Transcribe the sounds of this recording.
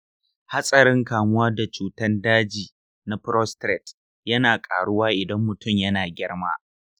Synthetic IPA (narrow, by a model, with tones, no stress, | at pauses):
ha˦sʼɐ˨ɾɪ˦ŋkaː˨mʊ˦waː˦da˨t͡ʃuː˨tɐ˦ndaː˦d͡ʒiː˨ | na˦pɾɔ˦stɾɛ˨t | jɐ˦naː˨kʼa̰ː˨ɽʊ˦waː˦ʔɪ˨dɐ˦mːʊ˨tʊ˦˨mjɐ˦naː˨ɡʲɪ˦ɽmaː˦